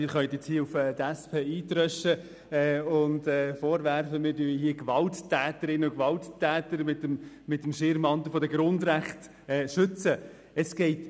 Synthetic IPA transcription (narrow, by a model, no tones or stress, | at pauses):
ɪːɾχœʏət̪jɛt͡shiəufɛt̪æspʰeːiːt̪ɾœʃə | ɛːʊndɛːfɔːɾʋæɾfəmɪɾdyːiɦiːəɡʋɑltːʰæːtəɾɪnəukʋɑlttʰːæːtəɾmɪtəm | mɪtəmʃɪɾmɑnt̪l̩fɔdəɡɾʊndɾæχt | ɛːʃʏt͡sə | ɛsɡ̥ɛɪt